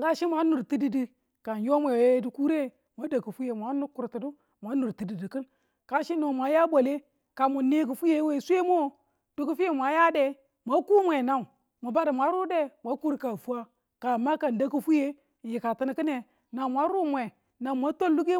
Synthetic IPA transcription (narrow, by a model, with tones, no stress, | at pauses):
ŋɡa˦ʃi˦mʷa˨˦nu˨ɾti˦di˨di˨ | ka˨n˨jo˦mʷe˨we˦du˨ku˦ɾe˦ | mʷa˦da˨ku˨fu˦je˨mʷa˦nu˦ku˨ɾti˨du˦ | mʷa˨˦nu˨ɾti˨di˨di˨kɨ˦n | ka˦ʃi˦no˨mʷa˨˦ja˦bʷo˨le˦ | ka˨mu˨ne˦ku˨fu˦je˨˦we˦˨su˦e˦mo˦˨ | d̥u˨˦ku˦fu˦e˦mʷ˨a˨˦ja˦de˨ | mʷa˦ku˦mʷe˨na˨u˨ | mu˨ba˦di˨mʷa˨˦ɾu˦de˦mʷa˦ku˦ɾka˨fu˦a˦ | ka˨ma˦ka˨nda˦ku˦fu˦je˦˨ | ji˨ka˨tɨ˦n˨kɨ˦ne˨ | na˨mʷ˨a˨˦ɾu˦mʷe˨ | na˨mʷa˦to˦llu˦ɡe˦